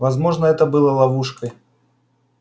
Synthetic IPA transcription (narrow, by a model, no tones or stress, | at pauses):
vazmɔʐnəɛt̪əbɨlˠəlˠavuʂkəj